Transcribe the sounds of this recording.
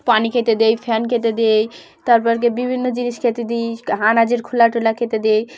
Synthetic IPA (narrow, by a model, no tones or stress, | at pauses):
panikʰet̪ed̪ejfʰɛnkʰet̪̬ed̪ej | t̪aɾpɔɾk̬ebibʱinːod͡ʑiniʃkʰet̪ed̪ijɦanad͡ʑeɾkʰulaʈulakʰet̪ed̪ej